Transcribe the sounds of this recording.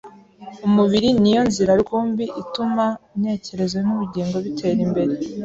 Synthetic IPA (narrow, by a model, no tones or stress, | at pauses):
umuβiɾinijo̞nziɾaɾɡoːmbiʔitumane̞ːce̞ɾe̞zwenuβiɟiːŋɡo̞βitʰe̞ːɾimbe̞ɾe